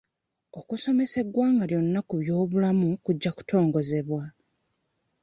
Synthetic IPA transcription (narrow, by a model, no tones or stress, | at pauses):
o̞kuso̞me̞se̞ɡwaːŋɡaljo̞nːakuβjo̞ːβulamukuɟːaku̥tʰo̞ːŋɡo̞ze̞βwa